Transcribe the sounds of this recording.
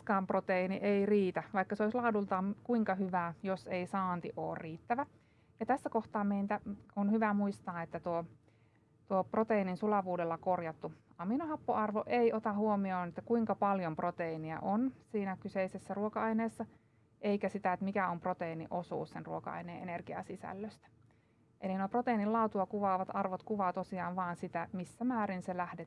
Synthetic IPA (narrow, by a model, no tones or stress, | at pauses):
kɑːmprot̪einiʔeiriːt̪æʋɑikːɑseoislɑːdult̪ɑːkuiŋkɑhyʋæːjoseisɑːnt̪iʔo̰ːrriːt̪ːæʋæ | jɑt̪æsːækoht̪ɑːmeint̪æonhyʋæmuist̪ɑːet̪ːæt̪uo | t̪uoprot̪eininsulɑʋuːdelːɑkorjɑt̪ːuɑminohɑpːoɑrʋoʔeiot̪ɑhuomioːnet̪ːækuiŋkɑpɑljomprot̪einiæ̰ʔonsiːnækyseisesːæruokɑɑineːsːɑ | ʔeikæsit̪æet̪mikæomprot̪einḭʔosṵːssenruokɑ̰ɑ̰ineːenerɡ̥iɑ̰sisæ̰lːøst̪æ̥ | ʔelinoprot̪einillɑut̪uɑkuʋɑːʋɑt̪ɑrʋot̪kuʋɑːt̪osiɑːnʋɑːnsit̪æmisːæmæːɾinselæhde